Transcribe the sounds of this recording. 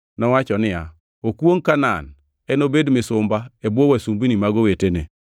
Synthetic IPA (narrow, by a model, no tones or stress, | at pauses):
nɔwat͡ʃɔnɪa̰ | okwoŋkana̰n | ɛnobedmɪsʊmbaebowasumbinimaɡowetenḛ